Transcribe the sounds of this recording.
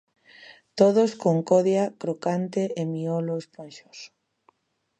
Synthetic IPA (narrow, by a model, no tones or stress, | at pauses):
t̪oð̞oskoŋkoðjakɾokant̪eʔemioloesponʃos